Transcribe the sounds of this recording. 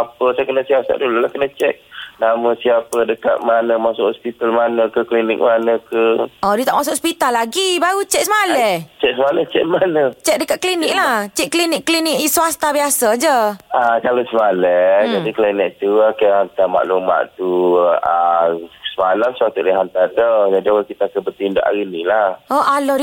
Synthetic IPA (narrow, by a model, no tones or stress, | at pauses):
apəsakənəsiasa̰ʔdulolahkənət͡ʃɛk̚namə̃siapədəkat̪̚manəmasʊʔhɔspit̪almanəkəklinɪ̰k̚manəkəʔɔdut̪aʔmasʊkɔspit̪alːaɡibaɣut͡ʃɛk̚səmalɛt͡ʃɛʔ̚səmalɛht͡ʃɛʔ̚manət͡ʃɛk̚dəkat̪̚klinɪk̚laht͡ʃɛʔ̚klinɪkːlinɪkisuast̪abiasad͡ʒəakalosəmalɛd͡ʒadiklinik̚t̪uakəɦant̪ama̰ʔluma̰ʔt̪uasəmalamswat̪uʔləɦant̪at̪əd͡ʒadiawalkit̪akəbət̪inda̰ʔa̰ɣinilahoʔalɔd